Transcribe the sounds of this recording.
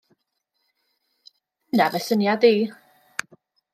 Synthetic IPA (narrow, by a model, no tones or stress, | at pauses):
ənavɛsənjadiː